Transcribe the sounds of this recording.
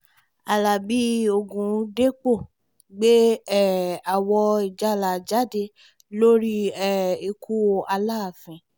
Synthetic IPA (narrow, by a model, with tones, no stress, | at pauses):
a˨la˨bi˦o˧˨ɡũ˨˦de˦k͡po˦˨ | ɡ͡be˦ɛ˦˨a˨wɔ˧i˨d͡ʒa˨˦˨la˨d͡ʒa˨˦de˧ | lo˦ɾi˦ɛ˦˨i˧kʰu˦o˧ʔa˧la˦˨fĩ˨